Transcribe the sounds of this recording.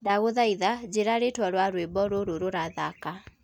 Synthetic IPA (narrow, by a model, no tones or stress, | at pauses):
daɣoðaiðad͡ʑeɾaɾetwaɾwaɾwebɔɾoɾoɾoɾaðaka